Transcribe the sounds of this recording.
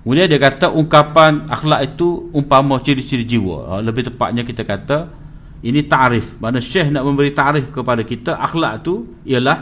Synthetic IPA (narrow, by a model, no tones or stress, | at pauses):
mudiadiəkat̪əʔuŋkapana̰xlaʔit̪uumpamət͡ʃidisidid͡ʒiwə̰ləbɪht̪əpa̰ʔ̚ɲakit̪əkat̪ə | init̪aʔɾɪfmanəʃɛhnaʔmə̃mbəɾit̪aʔɾɪfkəpadakit̪əʔaxla̰ʔt̪u | iəlah